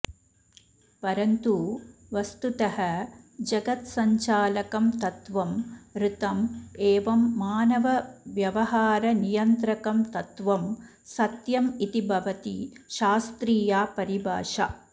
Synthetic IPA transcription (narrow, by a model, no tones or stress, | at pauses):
pɐɾɐnt̪uʋɐst̪ut̪ɐhɐd͡ʒɐɡɐt̪sɐɲt͡ʃaːlɐkɐmt̪ɐt̪ʋɐmɾɨt̪ɐmeːʋɐmːaːnɐʋɐʋjɐʋɐɦaːɾɐnijɐnt̪ɾɐkɐmt̪ɐt̪ʋɐm | sɐt̪jɐmit̪ibʱɐʋɐt̪iʃaːst̪ɾiːjaːpɐɾibʱa̰ːʃa